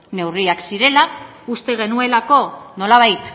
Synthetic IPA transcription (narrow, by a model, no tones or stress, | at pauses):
ne̞wriaksiɾe̞la | ust̪e̞ɣ̞e̞nue̞lako̞no̞laβ̞ajt̪